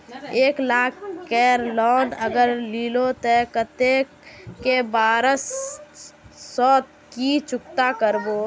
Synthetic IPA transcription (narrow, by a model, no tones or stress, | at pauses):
eːklaːkʰkɛːɾlɔːnəɡəɾliːlot̪ekət̪e | kebaːɾəs | ɔːt̪̚ | kit͡ʃʊkt̪akəɾboː